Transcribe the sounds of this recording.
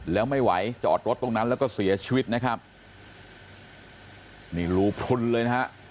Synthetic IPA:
lɛː˦˥wma˥˩jwa˩˦jt͡ɕa˨ʔːt̪̚ɾo˦˥t̪ːo˧ŋna˦˥nlɛː˦˥wkɔː˥˩si˨˩˦ɐt͡ɕʰiː˧wi˦˥t̪̚na˦˥kʰa˦˥p̚ | niː˧˩ɾuː˧pʰu˧nlɤː˧jna˦˥ɦa˦˥ʔ

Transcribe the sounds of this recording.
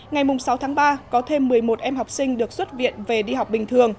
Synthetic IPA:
ŋa˨˩jmʊ˨˩ŋ͡msa˨˦wt̪ʰaː˨˦ŋɓaː˧kɔ˨˦t̪ʰe˧mːɨ˨˩əjmo˨˩t̚ʔɛ˧mɦa˨˩wk͡p̚sï˧ŋ̟ɗɨ˨˩ək̚swə˦˥t̚vḭ˧˨ənve˨˩ɗi˧ha˨˩wk͡p̚ɓï˨˩ŋ̟t̪ʰɨ˨˩əŋ

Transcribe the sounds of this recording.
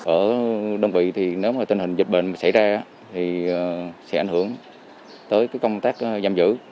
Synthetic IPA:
ʔəː˧˩ɗə˧wŋ͡mvḭ˧˨t̪ʰi˨˩ne˨˦wmaː˨˩t̪wə˧nhï˨˩ŋ̟zi˨˩t̚ɓḛ˧˨nmaː˨˩sa˧˩jzaː˧˦ | t̪ʰi˨˩˨sɛ˧˥a̰˧˩ŋhɨ˧˩əŋ | t̪əː˨˦jkaː˨˦jkə˧ŋ͡mt̪aː˦˥k̚ʔza˧˩mzɨ̰˧˥

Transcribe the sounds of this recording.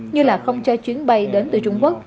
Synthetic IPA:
ɲɨ˧laː˨˩xə˧wŋ͡mt͡ɕɔ˧t͡ɕwi˨˦ənɓa˧jɗe˨˦nt̪ɨ˨˩t͡ɕʊ˧ŋ͡mku˦˥ək̚

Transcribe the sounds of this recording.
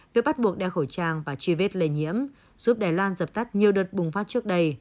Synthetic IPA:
vi˨˩ək̚ɓt̚ɓu˨˩ək̚ɗɛ˧˩xo˧˩jt͡ɕaː˧˩ŋvaː˨˩t͡ɕi˧˩ve˦˥t̚le˧˩ɲḭ˧˥əm | zuː˦˥p̚ɗaː˨˩jlwaː˧nzə˨˩p̚t̪a˦˥k̚ɲi˨˩əwɗəː˨˩t̚ɓʊ˨˩ŋfaː˦˥t̚t͡ɕɨ˦˥ək̚ɗə˧j

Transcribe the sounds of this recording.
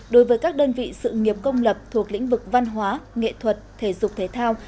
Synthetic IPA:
ɗo˨˦jvəː˨˦jkaː˦˥k̚ɗəː˧nvḭ˧˨sɨ̰˧˨ŋi˨˩əp̚kə˧wŋ͡mlə˨˩p̚t̪ʰu˨˩ək̚lḭ̈˧˥ŋ̟vɨ˨˩k̚va˧nɦwaː˨˦ŋḛ˧˨t̪ʰwə˨˩t̚t̪ʰe˧˩zʊ˨˩k͡p̚t̪ʰe˨˦t̪ʰaː˧w

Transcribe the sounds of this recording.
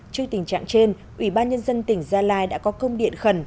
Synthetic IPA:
t͡ɕɨ˧ət̪ï˨˩ŋ̟t͡ɕa̰ː˧˨ŋt͡ɕe˧n | ʔwi˧˩ɓaː˧nɲə˧nzə˧nt̪ï˧˩ŋ̟zaː˧laː˧jɗa̰ː˧˥kɔ˨˦kə˧wŋ͡mɗḭ˧˨ənxə˧˩n

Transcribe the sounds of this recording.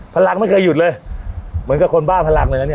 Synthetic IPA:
pʰa˧la˧ŋma˥˩jkʰɤː˧jːu˨˩t̪̚lɤː˧jmɯ˩˦nka˨˩kʰo˧nbaː˥˩npʰa˧la˧ŋlaː˧ŋ˧˦˥ni˥˩

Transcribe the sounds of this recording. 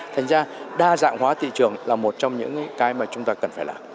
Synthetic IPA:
t̪ʰa˨˩jŋ̟zaː˧ɗaː˧za̰ː˧˨ŋhɦwaː˨˦t̪ḭ˧˨t͡ɕɨ˨˩əŋlaː˨˩mo˨˩t̚t͡ɕɔ˧wŋ͡mɲɨ̰˧˥ŋ˨˦kaː˨˦jmaː˨˩t͡ɕʊ˨˦ŋ͡mt̪aː˧kə˨˩nfaː˧˩jlaː˨˩

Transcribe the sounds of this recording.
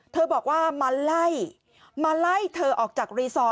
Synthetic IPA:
t̪ʰɤː˧bɔː˨˩k̚waː˥˩ma˧la˥˩j | ma˧la˥˩jt̪ʰɤː˧ʔɔː˨˩k̚t͡ɕaː˨˩k̚ɾiː˧sɔː˦˥

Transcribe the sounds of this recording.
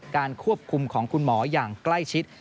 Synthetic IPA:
kaː˧nkʰu˥˩əp̚kʰu˧mkʰɔː˩˦ŋkʰu˧nmɔː˩˦jaː˨˩ŋkla˥˩jt͡ɕʰi˦˥t̪̚

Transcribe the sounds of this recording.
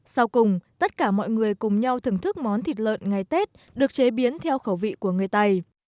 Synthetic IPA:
sa˧wkʊ˨˩ŋ͡mt̪ə˦˥t̚kaː˧˩mɔ̰˧˨jŋɨ˨˩əjkʊ˨˩ŋ͡mɲa˧wt̪ʰɨ˧˩ŋt̪ʰɨ˦˥k̚mɔ˨˦nt̪ʰi˨˩t̚lə̰ː˧˨nŋa˨˩jt̪e˦˥t̚ | ɗɨ˨˩ək̚t͡ɕe˨˦ɓi˨˦ənt̪ʰɛ˧wxə˧˩wvḭ˧˨ku˧˩əŋɨ˨˩əjt̪a˧j

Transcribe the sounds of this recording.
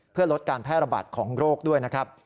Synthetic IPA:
pʰɯ˥˩ɐlo˦˥t̪̚kaː˧npʰɛː˥˩t̪̚ɾa˧ba̰ː˨˩t̪̚kʰɔː˩˦ŋɾoː˥˩k̚du˥˩əjna˦˥kʰɾa˦˥p̚

